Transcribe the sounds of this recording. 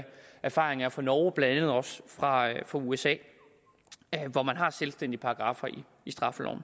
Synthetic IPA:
æɐfɑ̰̈ːʁeŋɐæfɒ̽nɒːb̥læn̥ænðð̞̩ˠɒ̽sfʁɑ̈fʁɑ̈uesɛ̰ː | ʋɒmænɦɑ̈selsd̥en̰d̥ipʰɑ̈ɡ̥ʁɑ̈ːfɐi | isd̥ʁɑ̈fəlɒ̰ʊn̩

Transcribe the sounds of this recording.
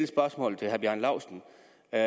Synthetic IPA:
ləsb̥ɶɐsmɔ̰̽ːl̩ˠt͡sʰe̝ɦæɐb̥jæ̰nlɑ̈ʊsən̩

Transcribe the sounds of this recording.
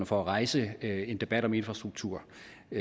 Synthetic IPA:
nəfɒæʁɑ̈ɪsəe̝nd̥e̝b̥æd̥ɒ̽me̝nfʁɑsd̥ʁuɡ̥̚t͡sʰuɐ̰

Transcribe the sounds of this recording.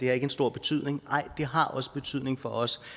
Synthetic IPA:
d̥e̝æɐe̝ɡəensd̥o̝ɐ̰b̥e̝t͡sʰy̰ð̞̰ˠne̝ŋɑ̈ɪ̰d̥e̝ɦɑ̈ʔɒ̽sə̥b̥e̝t͡sʰyð̞̰ˠne̝ŋfɒ̽ʔɒ̽s

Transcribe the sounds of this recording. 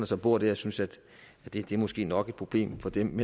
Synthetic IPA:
nɐsɒ̽b̥o̝ɐ̰d̥eɐjæsynsæd̥ | æd̥e̝d̥e̝ɐmo̽sɡ̥e̝̰ːnɒ̽ɡ̥e̝d̥̚pʰʁo̝b̥le̝̰ːmfɒ̽d̥emːe

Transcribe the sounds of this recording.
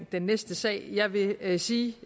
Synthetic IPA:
nd̥enːesd̥əsɛ̰ɪ̰jɑ̈ɪʋe̝siː

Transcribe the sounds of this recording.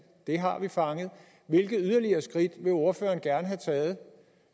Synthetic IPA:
d̥e̝ɦɑ̈ʋifɑ̈ŋəð̞̩ˠ | ʋe̝lɡ̥əð̩ˠyð̞ˠɐliɐːsɡ̥ʁid̥ʋe̝o̝ɐfø̰ːɐːnɡ̥æɐnəɦæt͡sʰɛːð̞̩ˠ

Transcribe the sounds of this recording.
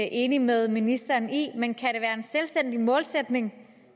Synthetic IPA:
ʔe̝ːnimeð̞ˠminisd̥ɐːnimenkʰæɾ̥e̝ʋæːɐe̝nselsd̥en̰d̥imɔ̽ːlsed̥ne̝ŋ

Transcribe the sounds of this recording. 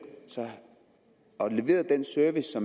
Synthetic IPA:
sɒ̽ | ɒ̽le̝ʋe̝̰ːɐð̩ˠd̥ensøɐʋisːɒ̽m

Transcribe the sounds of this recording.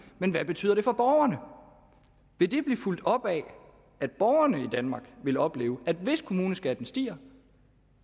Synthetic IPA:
menʋæb̥e̝t͡sʰy̰ːð̰ˠɐɾ̥e̝fɒ̽b̥ɒʊɐnə | ʋe̝d̥e̝b̥liːful̰d̥ɒ̽b̥ɛ | æd̥̚b̥ɒʊɐnəid̥ænmɑ̈ːɡ̥ʋe̝lɒ̽b̥le̝ːʊʔæd̥ʋe̝skʰo̝muːnəsɡ̥æd̥n̩sd̥ḭːɐ

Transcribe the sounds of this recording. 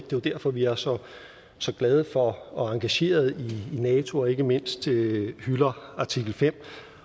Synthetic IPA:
d̥e̝ad̥æɐ̰fɒ̽ʋiæɐsɒ̽ | sɒ̽ɡ̥lɛːð̞ˠəfɒ̽ɒ̽ɑ̈ŋɡ̥æɕe̝̰ːɐð̞̩ˠiːnɛːt͡sʰo̝ɒ̽e̝ɡ̥əme̝n̰sd̥hylɐɑ̈t͡sʰiɡ̥l̩fem̰

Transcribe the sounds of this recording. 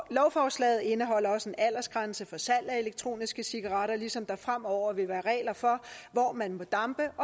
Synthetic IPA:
lɒʊfɒːslɛ̰ːð̩ˠe̝nəɦɒ̽l̰ɐɒ̽senæl̰ɐsɡ̥ʁänsəfɒ̽sæl̰æe̝leɡ̥̚t͡sʰʁo̝̰ːnisɡ̥əsiɡ̥ɑ̈ʁɑ̈ɾɐlisɒ̽md̥ɑ̈fʁam̰ɒʊ̰ɐʋe̝ʋæːɐʁɛ̰ːlɐfɒ̽ʋɒːmænmɒ̽d̥ɑ̈mb̥əʔɒ

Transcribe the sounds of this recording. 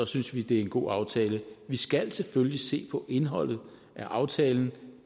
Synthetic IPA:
ɒ̽synsʋid̥e̝æɐe̝nɡ̥o̝̰ːɑ̈ʊt͡sʰɛːləʋisɡ̥æl̰sefølise̝̰ːpʰɒ̽ʔe̝nɦɒ̽l̰ð̞̩ˠ | ʔæʔɑ̈ʊt͡sʰɛːln̩

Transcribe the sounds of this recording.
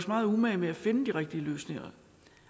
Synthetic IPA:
smɑ̈ːð̞̩ˠumæɪmeæfe̝nəd̥iʁɛɡ̥̚d̥iəløːsne̝ŋɐ̰

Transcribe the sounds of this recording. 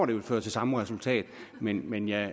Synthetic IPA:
d̥eʋelfø̰ːɐt͡sʰe̝lsɑ̈məʁɛsult͡sʰɛ̰ːd̥menmenjɑɪ

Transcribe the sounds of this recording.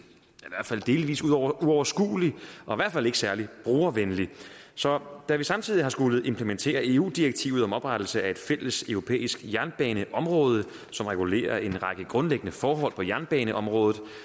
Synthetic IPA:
iʋæɐ̰d̥fæld̥e̝ːliʋḭːsuðˠɒuɒʊɐsɡ̥ṵːliʔɒ̽iʋæɐ̰d̥fæle̝ɡ̥sæɐlib̥ʁuːɐʋenlisɒ̽d̥æʋisɑ̈mt͡sʰiðˠiɦɑ̈sɡ̥uləð̩ˠe̝mpʰləment͡sʰe̝̰ːɐe̝ːṵːd̥ieɡ̥̚t͡sʰḭʊð̞̩ˠɒ̽mɒ̽b̥ʁad̥l̩səæe̝d̥fel̰əsøʊʁo̝pʰḛːisɡ̥jæɐnb̥ɛ̰ːnəʔɒ̽mʁɔ̽ːð̞ˠə | sɒ̽mʁɛɡ̥ule̝̰ːɐʔe̝nʁɑ̈ɡ̥əɡ̥ʁɔ̽nleɡ̥ənəfɒːɦɒ̽l̰pʰɒ̽jæɐnb̥ɛːnəʔɒ̽mʁɔ̽ːð̞̩ˠ

